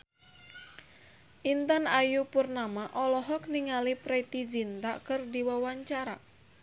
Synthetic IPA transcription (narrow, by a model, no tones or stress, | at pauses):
ʔint̪anajupurnamaʔɔlɔɦɔk̚niŋalipɾɛt̪id͡ʒint̪akɨrdiwawaɲt͡ʃaɾa̰